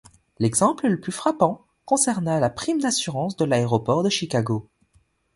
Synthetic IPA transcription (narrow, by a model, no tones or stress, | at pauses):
lɛɡzɑ̃plələplyfχapɑ̃ | kɔ̃sɛʁnalapχimd̪asyʁɑ̃sd̪əlaeʁɔpɔʁd̪əʃikaɡo